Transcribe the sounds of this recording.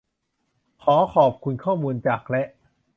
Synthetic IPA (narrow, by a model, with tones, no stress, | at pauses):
kʰɔː˩˦kʰɔː˨˩p̚kʰu˧nkʰɔː˥˩muː˧nt͡ɕaː˨˩k̚lɛ˦˥ʔ